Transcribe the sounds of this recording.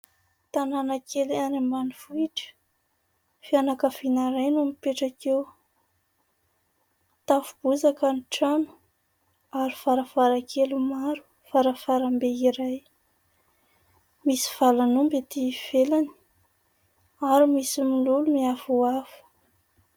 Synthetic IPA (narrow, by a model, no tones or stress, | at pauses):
t̪ananakʰelianemanifuiʈ͡ʂə̥ | fianakəfinaɾajnumipeʈ͡ʂakew | t̪afub̥uzakəniʈ͡ʂanu̥ | aɾifaɾafaɾakʰelumaɾu̥ | faɾafaɾambeiɾaj | misi̥v̥alanumbet̪iv̥elani̥ | aɾimisimilulumiafuafu̥